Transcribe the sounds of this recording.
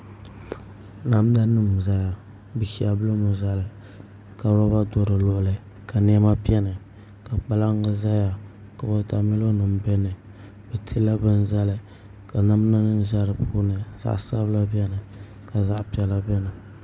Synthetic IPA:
na˨m˦da˦nɨ˦m˨za˦ja˨ | bɨ˨ki˦a˨bɨ˦lo˦mɨ˨za˦lɨ˨ | ka˨ɾɔ˦ba˦do˦ɾɨ˨lʊ˦ʔʊ˨lɨ˨ | ka˨n˦ɛ˦ma˦pi˦ɛ˦nɨ˨ | ka˨k͡pa˦la˦ŋ˦ɡa˦za˦ja˨ | ka˨bo˦ta˨mɪ˦lo˦nɨ˨m˦bɛ˦nɨ˨ | bɛ˨tʰi˦la˦bɨ˦n˦za˦lɨ˨ | ka˨na˦m˦na˦nɨ˦n˦ʒa˦ɾɨ˨puː˦nɨ˨z̥a̰˦ʔsa˦βla˦bjɛ˦nɨ˨ka˨za˦ʔpi˦ɛ˨la˦bɛ˦nɨ˨

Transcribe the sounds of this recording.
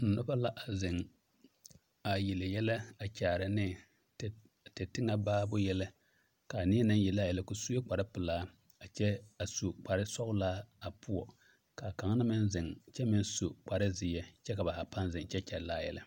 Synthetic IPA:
n̩˨nʊ˦ba˦la˦ʔa˨zɪ˨ŋ | a˨ji˨lɪ˨jɛ˦la˦a˨t͡ʃaː˨ɾɪ˦nɪ˦˨ | tɛ˨tɪ˦ŋa˦baː˦bʊ˦jɛ˦lɪ˦ | ka˨nɪ˦ɛ˦nɨ˦jɛ˨laː˦˨jɛ˨lɪ˦kʊ˨su˦e˦k͡pa˨ɾɪ˦pɪ˨laː˦ | a˨t͡ʃɛ˦a˨su˨k͡pa˨ɾɪ˦sɔ˦ɣʊ˦laː˦a˨pʊ˦ɔ˨ | ka˨ka˨ŋ˦na˦mɪ˦nzɪ˨ŋt͡ʃɛ˦mɪ˦n˦su˨k͡pa˨ɾɪ˦zɪ˨jɛ˦t͡ʃɛ˦ka˨ba˨ha˨pa˦nzɪ˨ŋt͡ʃɛ˦t͡ʃɛ˨ɾlaː˦˨jɛ˨lɪ˦

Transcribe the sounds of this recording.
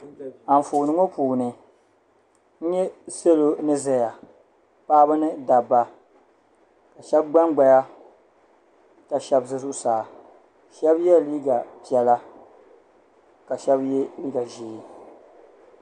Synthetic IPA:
a˨ɱ̩˨foː˨nɨ˦ŋo˦puː˨nɨ˨ | n̩˦ɲɛ˦se˦lo˦nɨ˦zɛ˦ja˨ | paː˦bɨ˦nɨ˦da˨ba˨ | ka˨ʃɛ˦b̚ɡ͡ba˦ŋɡ͡ba˨ja˦ | ka˨ʃɛ˦bzɨ˦zʊ˦ʔʊ˦˨saː˨ | ʃɛ˦bjɛ˦˨liː˦ɡa˨pɛ˨la˦ | ka˨ʃɛ˦bjɛ˦liː˦ɡa˨ʒeː˨˦

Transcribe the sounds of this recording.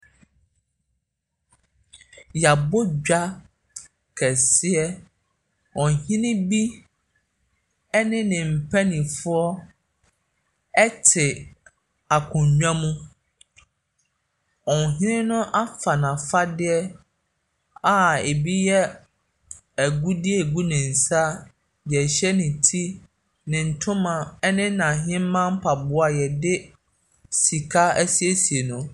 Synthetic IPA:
ja˨bo˦d͡ʑᶣa˦ | kʰɛ˨sɪ˦ɛ˦ | ɔ̃˨hĩ˦nɪ̃˦bi˦ | ɛ˦nɪ̃˦nɪ̃˨m̩˨pʰɛ˦nĩ˨fʊ˦ɔ˦ | ɛ˦tʰɪ˨ | a˨kʰʊ̃˨ɲᶣã˦mũ˦ | ɔ˨n˨ɦɪ̃˦nɪ̃˦nʊ̃˦ʔa˦fa˨nã˨fa˦dɪ˦ɛ˦ | a˨e˨bi˦jɛ˦ | æ˨ɡu˦dɪ˦ɛ˦˨ɡu˦nɪ̃˨n̩˨sa˦ | bi˨ɛ˨ɕɛ˦nɪ̃˨tʰi˦ | nɪ̃˨n̩˨tʰʊ̃˦mã˨ɛ˦nɪ̃˦nã˨ɦɪ̃˦m̩˦mã˦m̩˦pʰa˨bʊ˨˦a˨jɛ˨dɪ˦ | si˨kʰa˦æ˦si˦e˦si˨e˨nʊ̃˨

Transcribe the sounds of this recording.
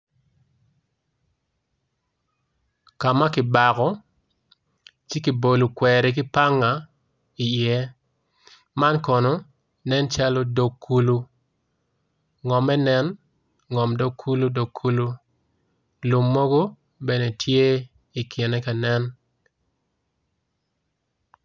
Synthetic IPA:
ka˨ma˦kɪ˨ba˨kɔ˦ | t͡ʃɪ˦ki˨bo˨lu˨kwɛ˨ɾɛ˨k̬ɪ˦pa˦ŋa˨ | i˨jɛ˦ | ma˦nkɔ˨no˨ | nɛ˦nt͡ʃa˦lo˦do˨kʰːu˨lu˦ | ŋɔ˨mɛ˦nɛ˦n | ŋɔ˨mdo˨kʰːu˦lu˦do˨kʰːu˦lu˦ | lu˨mːo˦ɡo˦ | bɛ˨ne˨tʰje˦ | i˨kʰɪ˨nɛ˦ka˨nɛ˦n

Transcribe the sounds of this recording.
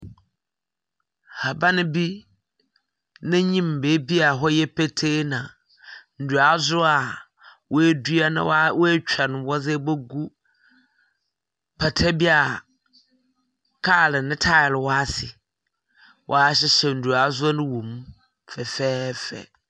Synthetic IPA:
ha˨ba˦nɪ̃˦bi˦ | nɪ̃˦ɲĩ˦m˨beː˨˦bi˦a˨ɦɔ˦jɛ˦pʰe˦tʰe˦nã˨ | n̩˨du˨a˨˦zʊ˦a˨ | wɔ˦e˦du˦a˦nã̰˦wwt͡ɕᶣɛ˨nɪ̃˨wɔ˦zɛ˦bo˦ɡu˦ | pʰa˨tʰɛ˦bi˦a˨ | kʰa˦˨lɪ˨nɪ̃˦tʰa˦ɪ˨lwɔ˦a˦sɪ˨ | wʔɔ˨a˦ɕ̬ɪ˦ɕɛ˨n̩˨du˨a˨˦zʊ˦a˦nʊ̃˦wũ˨m˦ | fɛ˨fɛː˦fɛ̰˨

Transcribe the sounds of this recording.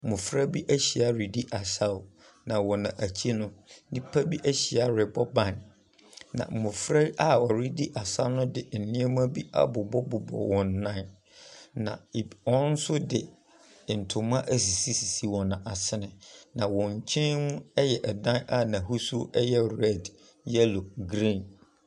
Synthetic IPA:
mʊ̃˨fɾa˦bi˦ʔæ˦ɕi˨a˨ɾi˨di˦ʔa˨sa˦w | nã˨wɔ̃˨nã˨ʔæ˨t͡ɕʰi˦nʊ̃˦nĩ˦pʰa˦bi˦ʔæ˦ɕi˨a˨ɾɪ˨bɔ˦bã˦˨n | nã̰˨mʊ̃˨fɾa˦ʔa˨ɔ˨ɾi˦di˦ʔa˨sa˦nʊ̃˦dɪ˨n̩˨nɪ̃˦ɛ˦m˦a˦bi˦a̰˦bʊ˨bɔ˦bʊ˨bɔ̰˨wɔ̃˨n˨˦nã˦n | nã̰˨ɔ̃˦n̩˦sʊ˦dɪ˨ | n̩˨tʰʊ˨m˦ã˦ʔæ˨s̬i˨si˦si˨si˦wɔ̃˨nã˨ʔa˨sɪ˦nɪ̃˨nã˨wɔ̃˨ɲ˨t͡ɕʰɛ̃˦nũ˦ɛ˦jɛ˨ʔɛ˨dã˦na˦nã˨ɦu˦su˦ɛ˦jɛ˦ɾɛ˦˨d | jɛ˦lo˨ɡɾĩ˦˨n

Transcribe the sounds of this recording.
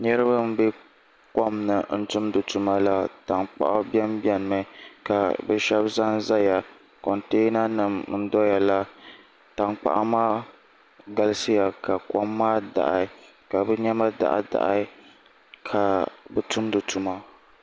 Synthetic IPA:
nɛ˦ɾɨ˦ba˦m̩˦bɛ˦ | kɔ˦mnɨ˨n̩˦tʊ˦mdɨ˨tu˨ma˦la˦ta˨ŋk͡pa̰˨ʔa˦bɛ˦mbjɛ˦n˦mɛ˨˦ka˨bɛ˨ʃɛ˦bza˦nza˦ja˨ | kɔ˨nte˦na˦nɨ˨m˦n̩˦dɔ˦ja˨la˦ | ta˨ŋk͡pa̰˦ʔa˦maː˦ | ɡa˦lɨ˦sɨ˦ja˨ka˨kɔ˦mːaː˦da̰˨ʔa̰˨˦ | ka˨bɛ˦ɲɛ˦ma˦da̰˨ʔa̰˨da̰˨ʔa˦ | kʰa˨bɛ˨tʊ˦mdɨ˨tu˨ma˦

